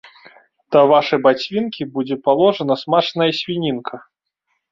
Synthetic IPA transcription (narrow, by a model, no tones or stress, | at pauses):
t̪ɐvaʂɐjbat͡sʲvʲinkʲibud͡zʲɛpalˠɔʐɐnɐsmat͡ʂnɐjɐsʲvʲinʲinkʰɐ